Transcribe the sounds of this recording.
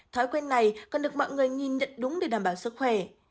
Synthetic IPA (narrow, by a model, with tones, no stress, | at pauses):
t̪ʰɔ˨˦jkwɛ˧nnːa˨˩jkɔ˨˩nɗɨ˨˩ək̚mɔ̰ː˧˨ŋɨ˨˩əjŋi˨˩nɲə̰˧˨nɗʊ˨˦ŋ͡mɗe˨˧˩ɗaː˧˩mɓaː˧˩wsɨ˦˥k̚xwɛ˧˩